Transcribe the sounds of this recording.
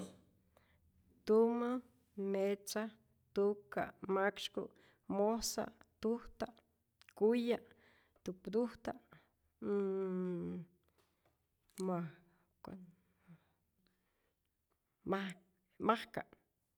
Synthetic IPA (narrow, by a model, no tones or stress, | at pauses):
t̪uma | met͡sa | t̪uka̰ʔmakʃkṵʔ | mosa̰ʔt̪uht̪aʔ | kujaʔ | t̪upd̪uht̪aʔ | ma | ka̰n | ma | mahka̰ʔ